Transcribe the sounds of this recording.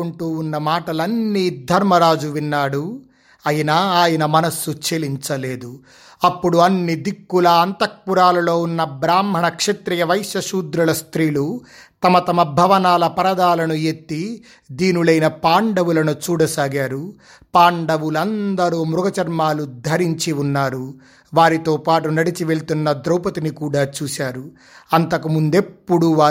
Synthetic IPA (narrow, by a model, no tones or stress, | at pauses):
oɳʈuːunːɐmaːʈɐlɐnːid̪ʱɐɾmɐɾaːd͡ʒuʋinːaːɽu | ɐjɐnaːaːjɐnɐmɐnɐsːut͡ʃeliɲt͡ʃɐle̞ːd̪u | ɐpːuɽuɐnːid̪ikːulɐːnt̪ɐk̚puɾaːlɐlo̞ːunːɐbɾaːmbʱɐɳɐkʂet̪ɾijɐʋɐjʃjɐʃuːd̪ɾulɐst̪ɾiːlu | t̪ɐmɐt̪ɐmɐbʱɐʋɐnaːlɐpɐɾɐd̪aːlɐnuet̪ːi | d̪iːnulɐjnɐpaːɳɖɐʋulɐnut͡ʃuːɽɐsaːɡaːɾu | paːɳɖɐʋulɐnd̪ɐɾuːmɾuɡɐt͡ʃɐɾmaːlud̪ʱɐɾiɲt͡ʃiunːaːɾu | ʋaːɾit̪oːpaːʈunɐɽit͡ʃiʋe̞ɭt̪unːɐd̪ɾɐwpɐt̪inikuːɽaːt͡ʃuːsaːɾu | ɐnt̪ɐkumund̪e̞pːuɽuʋaː